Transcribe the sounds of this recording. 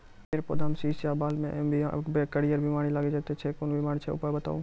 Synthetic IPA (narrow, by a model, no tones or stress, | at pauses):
eːɾpo̰ːd̪ʱaːmsiːsaːbaːlmẽbbekəɽijəɾbimaːɽilaːɡed͡ʒət̪et͡ʃʰekoːnbɪmaːɽt͡ʃʰeʊ̰pabət̪a̰ːũː